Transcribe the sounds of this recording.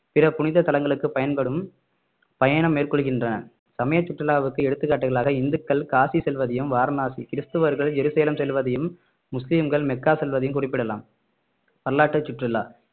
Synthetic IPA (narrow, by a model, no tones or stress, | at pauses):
pɪrɐpʊnɪðɐt̪ɐlɐŋɡɐɭɯkːɯpɐjɐnpɐɽɯm | pɐjɐɳɐmːeːrkɔɭɯɣɪndrɐnɐ | sɐmɐjɐt͡ʃːʊʈrɪlaːʋɯkːɯɛɽɯt̪ːɯkːaːʈːɯɣɐɭaːɣɐɪnd̪ɯkːɐɭkaːsisɛlʋɐðɐjɯmʋaːɾnaːsikɪɾɪst̪ɯʋɐɾɣɐɭd͡ʒɛɾuseːlɐmsɛlʋɐðɐjɯmː | ʊslimɡɐɭmɛkːaːsɛlʋɐðɐjɯmkʊrɪp̬ːɪɽɐlaːm | pɐɾɐlaːʈːɯt͡ʃːʊʈrɪlːa̰ː